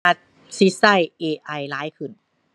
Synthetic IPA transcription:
a˧t̪̚ | si˦˥sa˥˩jʔeː˧ʔa˧˩jlaː˦˥jkʰɯ˧˩n

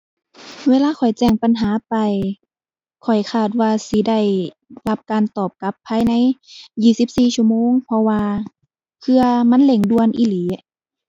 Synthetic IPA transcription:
weː˧laː˧kʰɔ˨˩jt͡ɕɛː˧˩ŋpa˨nɦaː˨˦pa˨j | kʰɔ˨˩jkʰaː˧˩t̪̚waː˧si˧˦da˧˩j | la˧˥p̚kaː˨nt̪ɔː˨˩p̚ka˧˥pʰːaː˧˥˨jna˧˥jjiː˧˩si˧˦˥p̚siː˧˩t͡ɕʰu˧əmoː˧˥˨ŋpʰɔ˧waː˧ | kʰɯ˧ɐma˧˥˨nle˧˩ŋdu˧ənʔi˧˩liː˨˦

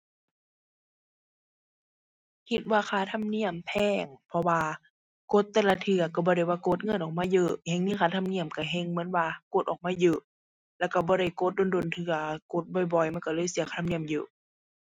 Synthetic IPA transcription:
kʰi˧t̪̚waː˧kʰaː˧˩t̪ʰa˧˥˨mni˧˥˨əmpʰɛː˧˩ŋpʰɔ˧waː˧ | ko˧˦t̪ːɛː˧˨la˧t̪ʰɯ˧˩ɐ˨ka˧˩bɔː˧ɾa˧˩jwaː˧˩ko˧˦t̪̚ŋɤ˧˥˨nʔɔː˨˩k̚maː˧˥˨jɤː˧˩he˧˨ŋniː˧˥˨kʰaː˧˩t̪ʰa˧˨mni˧˩əmka˧˩ɦe˧˨ŋmɯ˧˦ə˨nwaː˧ko˧˦t̪̚ʔɔː˨k̚maː˧˥˨jɤː˧˨ʔ | lɛː˧˩˨wka˧˩bɔː˧˦ɾa˧˩˨jko˧˦t̪̚do˧˨ndo˧˨nt̪ʰɯ˧ɐko˧˦t̪̚bɔ˧˩jbɔ˧˩jma˧˥˨nka˧lɤː˧˨jsi˧˦kʰxa˧t̪ʰni˧˨ə˨mjɤː˧˨

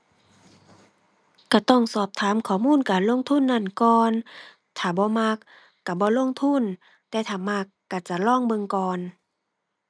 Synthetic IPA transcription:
ka˧˩t̪ɔ˧˩˨ŋsɔː˧˩p̚t̪ʰaː˨˦mkʰɔː˨˩˨muː˧˥˨nkaː˨nlo˧˨ŋt̪ʰu˧˥˨nːa˧˥˨nkɔː˧n | t̪ʰaː˨˩bɔː˧˦ma˧˥kː | a˧˩bɔː˧˦lo˧˥˨ŋt̪ʰu˧˥˨n | t̪ɛː˧˦t̪ʰaː˨˩ma˧˩kːa˧˩t͡ɕa˧˩lɔː˧˥˨ŋbɤ˧˨ŋkɔː˧˨n

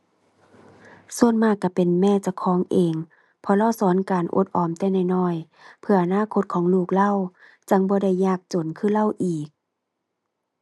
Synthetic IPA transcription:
su˧˩ənmaː˧˩kːa˧˩pe˨nmɛː˧˩˨t͡ɕa˧˩kʰɔː˨˦ŋʔeː˨ŋ | pʰɔ˧laː˧˩˨wsɔː˨˦nkaː˨˩nʔo̰˧˦t̪̚ʔɔː˨˩mt̪ɛː˧˩˨na˧˩jnɔː˧˥˩j | pʰɯ˧ɐʔa˧naː˧˥˨kʰo˧˥t̪̚kʰɔː˨˦ŋluː˧˩k̚la˧˥˨w | t͡ɕa˧˩ŋbɔː˧˦da˧˩jːaː˧˩k̚t͡ɕo˨˩nkʰɯː˧˥˨la˧˥˨wʔiː˨˩k̚

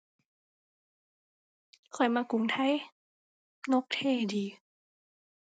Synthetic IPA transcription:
kʰɔ˨˩jmaː˧ku˨˩˦ŋt̪ʰa˧˥j | no˧˦˥k̚t̪ʰeː˧˥˩diː˨˧

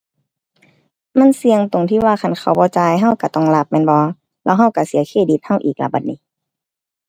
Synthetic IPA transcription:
ma˧˥˨nsi˧əŋt̪o˨ŋt̪ʰiː˧˥˨waː˧˨kʰa˧˩˨nkʰa˧˩wbɔː˧˦t͡ɕaː˧jɦa˧˥˩wka˧˩t̪ɔ˧˩˨ŋla˧˩p̚mɛː˧˥˨nbɔː˧ | lɛː˧˥˨wɦa˧˩˨wka˧˩si˨˦ɐkʰeː˧˩˨di˧˦t̪̚ha˧˥˩wʔḭː˨˩k̚la̰˧˩baː˨˧˩t̪̚niː˧˥˦

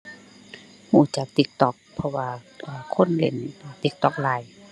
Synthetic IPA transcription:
huː˧˩t͡ɕa˧˦k̚t̪i˧˦k̚t̪ɔ˧k̚pʰɔ˧waː˧ | ʔːkʰo˧˥˨nle˧˩˨nː˧˩t̪i˧˦k̚t̪ɔ˧˩k̚laː˨˧˦j

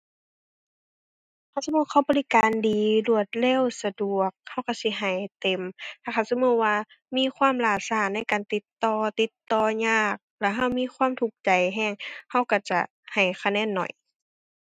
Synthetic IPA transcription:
kʰa˧˩˨wsa˧muː˧˥kʰa˧˩˨wbɔː˧li˧˥˨kaː˨ndiː˨lu˧˩ət̪̚lɛː˧˥˨wsa˧du˨˩ək̚ha˧˩˨wka˧˩wsi˧˦ɦa˨˩jt̪e˨mt̪ʰaː˧˩xʰa˧˩wsa˧mu˧˥waː˧ | miː˧˥˨kʰwaː˧˥˨mlaː˧˩saː˧˩na˧˥˨jkaː˨nt̪i˧˦t̪ːɔː˧t̪i˧˦t̪ːɔː˧˩ɲaː˧˩k̚lɛ˧˩ɦa˧˩wmiː˧˥˨xʰwaː˧˥˨mt̪ʰu˧˩k̚t͡ɕa˨jɦɛː˧˩˨ŋha˧˥˩wka˧˩t͡ɕa˧˩ | ha˨˩jkʰa˧˨nɛː˧˥˨nːɔ̰˨˩j

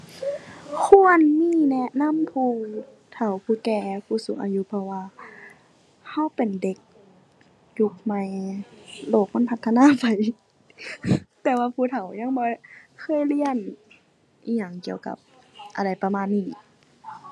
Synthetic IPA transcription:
kʰu˧˥ə˨nmiː˧˥˧nɛ˧ʔna˧˥˨mpʰuː˧˩ | t̪ʰa˨˩wpʰuː˧˩kɛː˧pʰuː˧˩su˧˦ŋ̚ʔa̰ː˧˨ju˧˦pʰɔ˧waː˧ | ha˧˥˩wpe˨˩nde˧˦k̚ | ju˧˦k̚ma˧j | loː˧˩k̚ma˧˥˨npʰa˧t̪ʰːa˧naː˧˥˨pa˨˩j | t̪ɛː˧waː˧pʰuː˧˩t̪ʰa˨˩wɲa˧˥˨ŋbɔː˧˦kʰɤː˧˥˨jli˧˨ən | ʔiː˧˩ɲa˨˧˩ŋki˧˩əwka̰˧˦p̚ | ʔa˧˩ɾa˨˩jpa˧maː˧˥˨nːiː˧˩

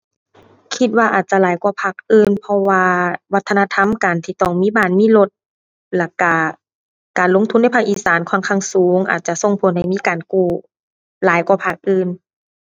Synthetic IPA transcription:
kʰi˧t̪̚waː˧ʔaː˨˩t̪̚t͡ɕa˧˨laː˨˦jkwaː˧˩pʰa˧˩k̚ʔɯː˧˩˨npʰɔ˧waː˧wa˧˥t̪ʰːna˧t̪ʰa˧˥˨mkaː˨˩nt̪ʰiː˧˩t̪ɔː˧˩ŋmiː˧˥˨baː˧˩˨nmiː˧˥˨lo˧t̪̚ | lɛː˧˩ka˧˩ | kaː˨˩nlo˧˥˨ŋt̪ʰu˧˥nːa˧˩jpʰa˧˩k̚ʔiː˨˩saː˨˦nkʰɔː˧˥˨nkʰa˧˩˨ŋsuː˨˦ŋʔa̰ː˨˩t̪̚t͡ɕa˧so˧˩ŋpʰo˨˦nha˧˩jmiː˧˥˨kaː˨˩nkuː˧˩ | laː˨˦jkwaː˧˩pʰa˧˩k̚ʔɯː˧˨n

